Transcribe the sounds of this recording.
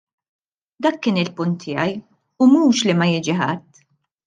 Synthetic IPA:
d̪ɐkːɪːnɪlpʊnt̪ʰːɪjɐj | ʊmuːʃlimɐjɪːd͡ʒiħɐt̪ː

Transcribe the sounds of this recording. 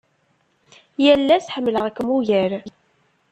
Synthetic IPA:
jælːæsħəmːləʁækːmuʝæɾ

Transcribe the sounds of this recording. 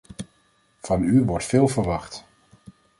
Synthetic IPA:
v̥ɑnyʋɔɹtfeːlˠvəɹʋɑχt

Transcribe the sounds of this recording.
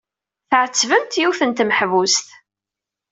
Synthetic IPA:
θʕət͡sːvəmt̪juθənt̪məħvust̪

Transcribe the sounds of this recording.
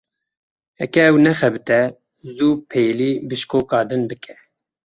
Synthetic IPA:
hɛ̰kɛɛwnɛxɛbɨt̪ɛ | zuːpʰejliːbɨʃkoːkɑːd̪ɨnbɨkʰɛ

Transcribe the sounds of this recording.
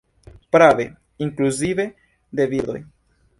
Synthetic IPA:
pɾave | iŋkluzive̞ | d̪eviɾd̪o̞̰j

